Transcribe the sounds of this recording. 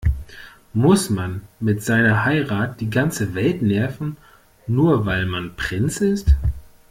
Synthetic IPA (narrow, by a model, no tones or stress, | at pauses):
mʊsmanmɪtz̥aɪnɐhaɪʁaːt̚d̥iːɡant͡səvɛltnɛɐfn̩ | nuːɐvaɪlmanpʁ̥ɪnt͡sɪst